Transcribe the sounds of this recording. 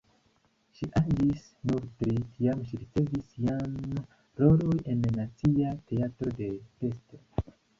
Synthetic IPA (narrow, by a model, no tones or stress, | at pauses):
ʃiʔad͡ʒis | nuɾtɾitʰiamʃiɾit͡se̞visian | ɾo̞lo̞je̞nːat͡siate̞atɾo̞de̞fe̞sto